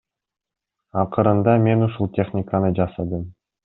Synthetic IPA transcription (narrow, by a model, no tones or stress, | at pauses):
ɑqəɾɯnd̪ɑme̞nuʃulˠt̪ʲe̞χnʲɪkanɯd͡ʒɑsɑd̪ɯm